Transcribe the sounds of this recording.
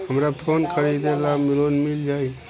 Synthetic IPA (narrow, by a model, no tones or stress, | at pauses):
həmɾapʰoːnkʰəɾid̪elamɪlonmɪld͡ʒaːi